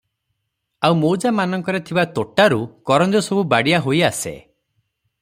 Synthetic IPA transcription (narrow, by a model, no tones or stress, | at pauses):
auwmowd͡ʒamanɔŋkɔɾet̪ʰibat̪oʈaɾukɔɾɔnd͡ʒɔsɔbubaɽiaɦojasḛ